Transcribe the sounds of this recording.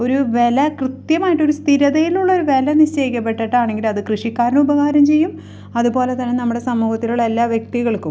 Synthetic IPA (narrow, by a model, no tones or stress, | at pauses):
o̞ɾuʋe̞lɐkrɨt̪jɐmaːjiʈːo̞ɾust̪ʰiɾɐðɐjiluɭːɐoɾuʋe̞lɐnit͡ɕːeːjikʲːɐp̬ːe̞ʈːɐʈːaːɳeŋɡilɐðɨkrɨʂikʲːaːɾɐnubɐɣaːɾɐmt͡ɕe̞jːum | ɐðubo̞ːle̞t̪ɐnːenɐmːuɽe̞sɐmːuːhɐt̪ːiluɭːelːaːʋjek̚t̪iɣɐɭkum